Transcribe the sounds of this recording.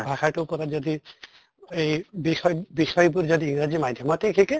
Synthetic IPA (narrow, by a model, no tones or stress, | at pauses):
bʱakaʈukɔɾad͡ʒɔd̪i | ejbiʃɔjbiʃɔjbuɾd͡ʒɔd̪iiŋɾad͡ʒimad̪ʱjɔmɔt̪ekʰike